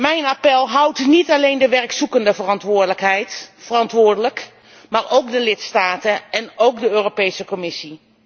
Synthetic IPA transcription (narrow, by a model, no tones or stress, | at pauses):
mɛjnapɛlˠɦʌwtnitalejndəʋɛrksukəndəvərɑntʋʊːɹdələkɦɛjtfərɑntʋʊːɹdələk | maːɹowkdəlɪtstaːtəɛnowkdəøːropejsəkɔmɪsi